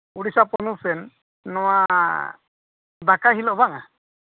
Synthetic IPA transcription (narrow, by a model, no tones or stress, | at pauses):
uɽisapɔnusɛnː | ɔwa | bakaɦilɔbaŋa̰